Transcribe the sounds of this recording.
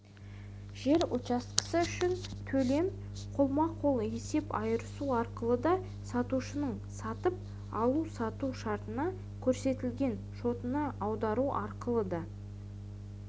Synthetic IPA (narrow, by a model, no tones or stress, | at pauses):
ʒ̥e̞ɾot͡ʃɑst̪qə̥səʏʃɪnt̪ʰɵle̞m | qʰolˠmɑqʰo̞lˠe̞se̞pɑjəɾəsuɑɾqəlˠəd̪ɑ | sɑt̪uʃənəɴ | sɑt̪əp̚ | ɑlˠusɑt̪uʃɑɾt̪ənɑ | kʲʰɵɾse̞t̪ɪlɡʲe̞n | ʃo̞t̪ənəɑwd̪ɑɾuʔɑɾqəlˠəd̪ɑ